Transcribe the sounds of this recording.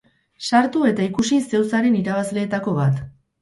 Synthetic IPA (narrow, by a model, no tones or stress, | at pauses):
saɾt̪ue̞t̪aikusise̞wsaɾe̞niɾaβ̞azle̞ːt̪ako̞βat̪